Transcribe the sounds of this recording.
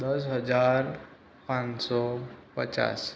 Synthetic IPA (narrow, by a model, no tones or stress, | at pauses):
d̪əsɦəd͡zaɾ | pãnsɔpə̰t͡ɕa̰s